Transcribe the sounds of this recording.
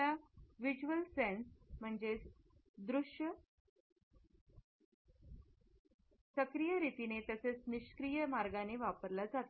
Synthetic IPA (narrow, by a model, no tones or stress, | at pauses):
aʋid͡ʑuʋəlsensm̤əɳd͡ʑe | d̪ɾuʂjə | səkɾijəɾit̪inet̪əset͡sniɕkɾijəmaɾɡaneʋapəɾlad͡zat̪